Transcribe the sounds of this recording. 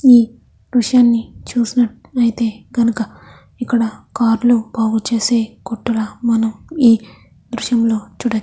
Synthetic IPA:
iː | ɾuʂjaːnːit͡ʃuːsinɐʈ | ɐjit̪e̞ːɡɐnukɐ | ikːɐɽɐkaːɾlubaːɡut͡ʃe̞ːse̞ːkoʈːulamɐnɐmiː | d̪ɾuʂjɐmlo̞ːt͡ʃuːɽɐ

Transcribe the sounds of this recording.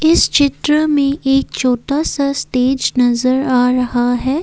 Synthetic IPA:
ɪst͡ʃɪt̪ɾəmẽʔeːk̚t͡ʃoːʈasasʈeːd͡ʒnɐzəɾaːɾɐɦaɦɛː

